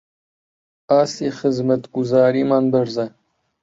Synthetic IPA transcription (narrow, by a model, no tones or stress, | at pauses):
aːsixɨzmɐt̪ɡuzɑːɾiːmɑːnbɐɾzɐ